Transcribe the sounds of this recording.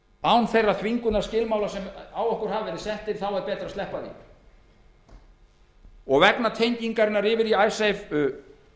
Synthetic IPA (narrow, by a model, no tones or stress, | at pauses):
aːwnθejrːaθʰviŋkʏnaɾscɪlmaːwlasɛmawɔhkʏɾ̥ɦavvɛːɾɪsɛht̪ɪð̥θawɛɾpɛːt̪ɾast̪ɛhpaðḭ | ɔɣvɛknat̪ʰejɲciŋkaɾɪnːaɾɪːvɪɾiajsejvʏ